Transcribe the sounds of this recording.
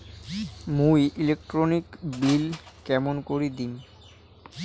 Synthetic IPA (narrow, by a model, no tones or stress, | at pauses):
mujʔilek̚ʈɾonikbilkɛmonkoɾid̪in